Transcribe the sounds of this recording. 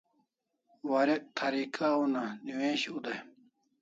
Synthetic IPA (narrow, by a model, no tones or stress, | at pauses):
wɐɾeʔt̪ʰɐɾikʰaunaniwẽːɕud̪ɐ